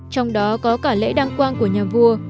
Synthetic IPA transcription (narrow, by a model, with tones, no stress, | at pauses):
t͡ɕɔ˧wŋ͡mɗɔ˨˦kɔ˨˦kaː˧˩lḛ˧˥ɗaː˧ŋkwaː˧nku˧˩əɲaː˨˩vu˧ə